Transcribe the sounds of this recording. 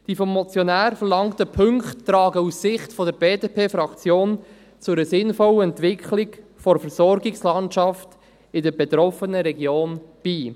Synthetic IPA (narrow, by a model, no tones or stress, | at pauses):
d̥iːfɔmːɔt͡sjɔnæːɾfəɾlɑŋtəpʰʏŋktːɾɑːɡəusːɪχtfɔdəɾbeːdepʰeːfɾɑkt͡sjoːn | t͡sʊɾəsɪnfɔwəɛntʋɪkχlɪɡfɔɾfəɾsɔɾɡɪkslɑntʃɑft | ɪdəɾbeɛtɾɔfənəɾɛɡjoːnb̥iː